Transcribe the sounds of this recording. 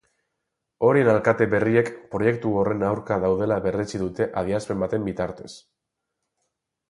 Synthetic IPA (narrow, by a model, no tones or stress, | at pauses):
o̞ɾie̞nalkat̪e̞βe̞rie̞kpɾo̞je̞kt̪uo̞re̞nawɾkaðawðe̞laβe̞ret͡siðut̪e̞ʔað̞iaspe̞mbat̪e̞mbit̪aɾt̪e̞s